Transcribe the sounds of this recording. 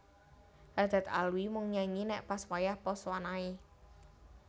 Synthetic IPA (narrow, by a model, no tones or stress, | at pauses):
ɾad̪̥a̤t̪a̰lwimʊŋɲaɲinɛʔpaswajahpɔswanae